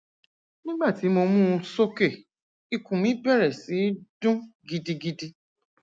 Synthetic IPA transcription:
nĩ˦ɡ͡ba˦˨ti˨˦mo˧mũː˦˧so˦ke˦˨ | i˧kũ˨mĩ˨˦bɛ˦˨ɾɛ˨si˨˦dũ˦ɡi˦di˧ɡi˦di˧

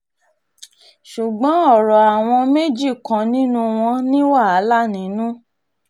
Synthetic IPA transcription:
ʃu˨ɡ͡bɔ̃˨˦ɔ˦˨ɾɔ˨a˨w̃ɔ̃˧me˦d͡ʒi˦˨kã˨nĩ˦nũ˧˦w̃ɔ̃˧nĩ˦wa˦˨a˨˦la˦˨nĩ˨˦nũ˦

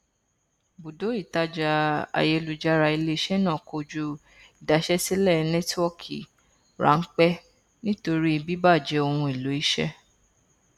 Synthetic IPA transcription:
bu˨do˨˦i˦˨ta˦d͡ʒa˧a̰˨je˦˧lu˨d͡ʒa˧ɾa˧i˧le˧˦ʃɛ˦nã˦˨ko˧d͡ʒu˧ | i˨da˨ʃɛ˦si˦lɛ˦˨nɛ˦twɔ˦kʰḭ˨ | ɾa̰˨˦ŋ̩˦k͡pɛ˦ | nĩ˦to˧ɾi˦i˧bi˦ba˦˨d͡ʒɛ˨˧o˧hũ˧i˨lo˨˦i˦ʃɛ̰˦

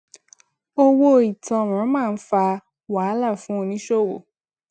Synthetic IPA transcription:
o˦wo˦˨i˨tɔ̃˧˨ã˨˦mãː˦˨n̩˦fa˧ | wa˨˦la˦˨fũ˦o˧nĩ˦ʃo˦˨wo̰˨

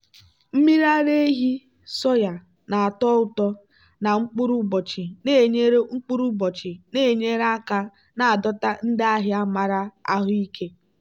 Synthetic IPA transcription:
m̩˦mi˦ɾa˦ɾe˦e˦ɦi˦ | sɔ˦ja˨ | na˨a˨tɔ˦ʊ˨tɔ˦ | na˨ŋ͡m̩˦k͡pʊ˦ɾu˦bɔ˨t͡ʃi˨ne˦˨ɲe˦ɾe˦ŋ͡m̩˦k͡pu˦ɾu˦bɔ˨t͡ʃɪ˨ne˦˨ɲe˦ɾa˦ka˦ | na˨a˨dɔ˦ta˦n̩˦dɪ˦a˦ɦɪ˦a˦ma˨ɾa˦a̰˦ɦʊ˦i˦kʰe˦

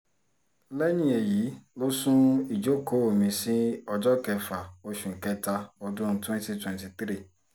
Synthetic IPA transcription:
lɛ˦nĩ˦˨e˨ji˨˦lo˦sũ˦i˨d͡ʒo˦ko˨˦o˨mĩ˧sĩ˦ɔ˧d͡ʒɔ˦kɛ˧fa˨o˧ʃũ˨ŋ̩˨kɛ˦ta˧ɔ˧dũ˦n̩˦twɛ̃˦nti˧twɛ̃˨nti˨t̪ɾi˦˨

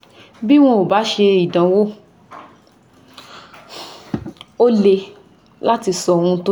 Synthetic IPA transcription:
bi˦w̃ɔ̃˦o˨ba˨˦ʃe˧i˨dã˨wo˦ | o˦le˧ | la˦ti˧sɔ˧˨˧ũ˧to˦

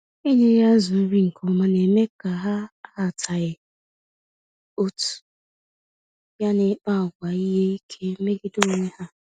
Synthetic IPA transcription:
e˦ɲe˦ja˦zʊ˨˦ɾi˦ŋ̩˨kʰo˨ma˨ne˨me˦ka˨ɦa˦a˦˨tʰa˨ɪ˨ | o˦tu̥˨ | ja˦nɪ˦k͡pa˦˨ɡʷa˨i˦ɦe˦i˦kʰe˦me˦ɡɪ˦do˦˨ŋʷe˦ha˦

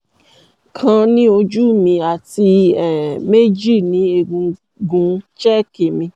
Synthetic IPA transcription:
kʰã˧nĩ˦o˧d͡ʒu˦mĩ˧a˨ti˧ɛ˦˨me˦d͡ʒi˦˨nĩ˨˦e˧ɡũ˧ | ɡũ˧t͡ʃɛ˦˨ki˨mĩ˧

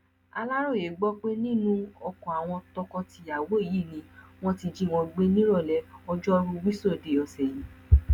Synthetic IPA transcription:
a˧la˦ɾo˦˨e˨ɡ͡bɔ˦k͡pe˦nĩ˦nũ˦ɔ˧kɔ̃˨a˨w̃ɔ̃˧tɔ˧kɔ˧ti˧a˨wo˨˦i˦˨ji˦˨nĩ˧w̃ɔ̃˦ti˧d͡ʒi˦˨w̃ɔ̃˧ɡ͡be˦nĩ˦ɾɔ˦˨lɛ˨˦ɔ˧d͡ʒɔ˦ɾũ˧wi˦so˦˨de˨ɔ˧sɛ˨jĩ˨

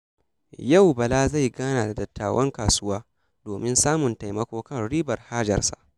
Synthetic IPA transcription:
ja˦˨wbɐ˨laː˦za˦˨jɡaː˦naː˨da˨dɐ˨tːa̰ː˨wʔɐ˦ŋkaː˨sʊ˦waː˦ | doː˨mɪ˦nsaː˦mʊ˨nta˨jmɐ˦kʷoː˦kɐ˦˨nɽiː˦bɐ˨rhaː˦d͡ʒɐ̰˨rsa̰˨ʔ

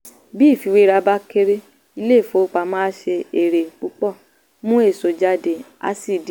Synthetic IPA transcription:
bi˦˨fi˧wi˦ɾa˧ba˦ke˧ɾe˦ | i˧le˦˨fo˨˦k͡pa˧mã˦ʃe˧e˨ɾe˨k͡pu˦k͡pɔ˦˨ | mũ˦e˦˨so˨d͡ʒa˧˦de˨a̰˧˦si˦˨di˦

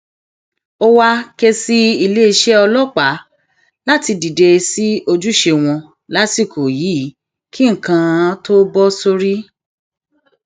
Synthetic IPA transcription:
o˦wa˧ke˦si˦i˧le˦i˧ʃe˦ɔ˧lɔ˦k͡pa˨˦ | la˦ti˧di˨de˧si˦o˧d͡ʒu˦ʃe˧w̃ɔ̃˧ | la˨˦si˦˨ko˨jiː˨˦ | ki˦ŋ̩˨kã˧˦to˦bɔ˦so˧ɾi˦

